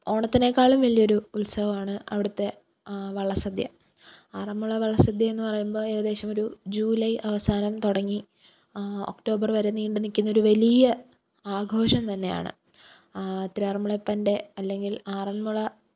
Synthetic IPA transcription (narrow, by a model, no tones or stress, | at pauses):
o̞ːɳɐt̪ːɐne̞kːaːɭumʋɐlːijo̞ɾuulsɐʋɐmaːɳɨɐʋiɽut̪ːe̞ | ʋɐɭːɐsɐd̪jɐ̰ | aːrɐnmuɭɐʋɐɭːɐsɐd̪jɐe̞nːɨpɐrɐjumbo̞ːe̞ːɣɐðe̞ːɕɐmo̞ɾud͡ʑuːlɐjʔɐʋɐsaːnɐmt̪oɽɐŋːi | o̞̰kʈo̞ːbɐrʋɐɾenːiːɳɖɨnːikʲːunːɐo̞ɾuʋɐlijɐ | aːɡʱo̞ːʂɐmt̪ɐnːe̞ja̰ːɳɨ̰ | t̪ɾiarmuɭepːɐnde̞ɐlːe̞ŋɡilaːrɐnmuɭɐ